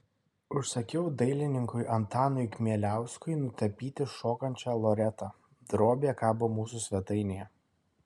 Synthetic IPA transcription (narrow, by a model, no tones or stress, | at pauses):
ʊʃsɐkʲɛʊd̪ɐɪlʲɪnʲɪŋkʊɪʔɐnt̪ɑːnʊɪkʲmʲiɛlʲæˑʊskʊɪnʊt̪ʲɐpʲiːt̪ʲɪʃoːkɐnʲt͡ʃʲɑːlˠɔɾʲɛt̪ɑ | d̪ɾoːbʲeːɛkɑːbʊmuːs̬ʊsʲʋʲɛt̪ɐɪnʲejɛ